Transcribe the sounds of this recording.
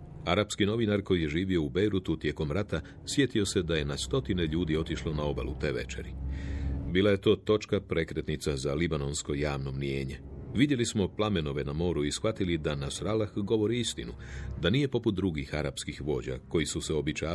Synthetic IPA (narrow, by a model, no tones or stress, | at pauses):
aɾapskino̞ʋinaɾko̞jije̞ʒiːʋio̞ubejɾut̪ut̪je̞ːko̞mɾat̪a | sʋje̞t̪io̞se̞d̪aje̞nast̪o̞t̪ine̞ʎuːd̪io̞t̪iʃlo̞nao̞ba̰lṵt̪e̞ʋe̞̰t͡ʃe̞̰ɾi | biːlaje̞t̪o̞ːt̪o̞t͡ʃkapɾe̞kɾe̞t̪nit̪sazalibano̞nsko̞jaːʋno̞mnije̞ːɲe̞ʋid̪je̞lismo̞plame̞no̞ʋe̞namo̞ːɾuisxʋat̪ilid̪anasɾalaxɡo̞ʋo̞ɾiist̪inud̪anije̞po̞put̪d̪ɾuɡixaɾa̰pskixʋo̞ːd͡ʑa̰ko̞jisuseo̞bit͡ɕaː